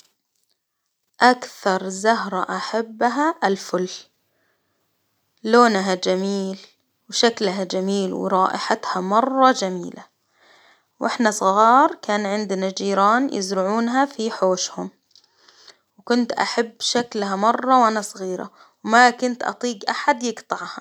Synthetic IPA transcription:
ʔakθɑɾˤzaɦɾˤɑʔaħabːɦaʔalfʊl | loːnɦad͡ʒamiːl | wʃaklɦad͡ʒamiːlwɪ̰ɾˤɑːʔɪħat̪hamɑrˤːɑd͡ʒamḭːla̰ | wʔɪħnasˤɣɑːɾˤkaːnʕɪnd̪nad͡ʒiːɾɑːnjɪ̰zɾʕuːnɦafiħoːʃhʊm | wkʊnt̪ʔa̰ħabːʃaklhamɑrˤːɑwʔanasˤɣiːɾa̰ | wmakʊnt̪ʔɑ̰t̪ˤiːɡʔaħad̪jɪɡt̪ˤɑʕha

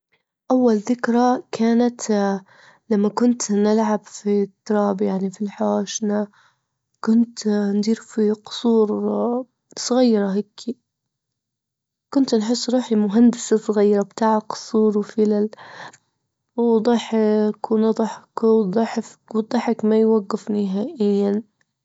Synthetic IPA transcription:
ʔawːalðɪkɾakʰaːnat̪ | lamːakʊnt̪nɪlʕabfit̪ːɑɾˤɑːbjaʕnifilħaaːʃna | kʊnt̪nd̪iːɾfiqʊ̥sˤuːɾ | sˤɣijːɾˤaɦakʰːi | kʊnt̪nħɪsːɾˤuːħimʊɦand̪ɪsasˤɣajːɾˤɑbt̪aːʕaqʊ̥sˤuːɾˤwfɪlal | wd̪ˤɑħɪkwnɑd̪ˤɑħɪkd̪ˤɑħfkwd̪ˤɑħɪkmajwaɡːɪfnɪɦaːʔɪjːan

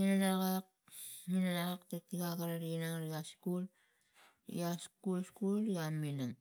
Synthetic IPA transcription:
minanaɣak̚ | minanaɣaktetːiɡakaɾaɾinaŋɾiaskul | ḭaskulskuliaminaŋ

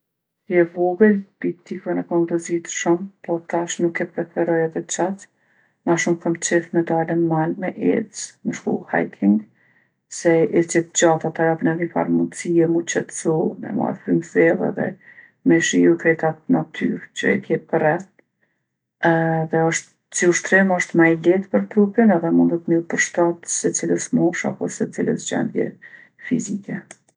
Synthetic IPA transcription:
jɛvɔɡəlbit̪ikɛnɛkɔmp̪ɔzit̪ʃumpɔt̪aʃnukːɛpɾɛfɛɾɔjɛðɛt͡ʃat | maʃumkamt͡ʃɛfmɛd̪alənmanmɛʔɛ̰t͡sməʃk̪ṵha̰jt̪ʰiŋɡ | sɛit͡ʃɛt̪d͡ʑat̪at̪ajapənɛðɲifa̰ɾmunt͡siɛmut͡ʃɛt̪sumɛ̰ma̰jfɾymθɛlˠɛ̰ðɛ̰ | mɛʃiut̪ɾɛt̪at̪nat̪ʰy̰ɾt͡ʃə̰ɛ̰t̪jɛpərɛt̪ | ðɛɔʃt̪ | siuʃt̪ɾɛmɔʃt̪majlɛt̪pəɾt̪ɾupinɛðɛmũnd̪ɔt̪milpəɾʃt̪at̪sɛt͡siləʃmɔʃa̰pɔsɛt͡silə̰ʃd͡ʑɛ̰nd̪jɛ̰ | fḭzikɛ

